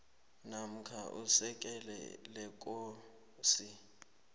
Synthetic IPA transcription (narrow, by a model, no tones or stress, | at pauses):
nam̩kʰaʔusɛk̬ʼɛlɛ̰lɛk̬ʼo | si